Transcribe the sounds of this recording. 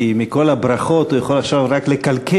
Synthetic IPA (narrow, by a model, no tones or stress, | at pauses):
imiko̞labɾaχo̞t̪ujaχo̞laχʃavʁakle̞kalkʰe